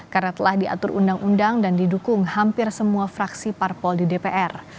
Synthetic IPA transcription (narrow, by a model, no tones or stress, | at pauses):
karnat̪əlahdia̰t̪ʊrʔṵndaŋʔundaŋdandidukʊŋhampɪrsəmuafɾaksiparpɔldidepeʔɛr